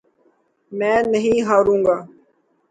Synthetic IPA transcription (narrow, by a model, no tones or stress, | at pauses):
mɛ̃ːnəɦĩːɦaːɾũːŋɡaː